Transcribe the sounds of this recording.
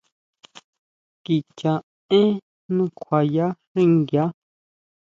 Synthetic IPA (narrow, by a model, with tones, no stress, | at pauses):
ki˨t͡ʃã˨ | ẽ˦ | nũ˦kʷʰwa˨ja˦ʂĩ˦˨ŋɡja˦